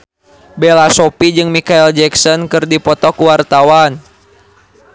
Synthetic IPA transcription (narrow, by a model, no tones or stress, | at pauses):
belasɔpid͡ʒɨŋmikaild͡ʒɛksɔnkɨrdipɔt̪ɔkuwart̪awan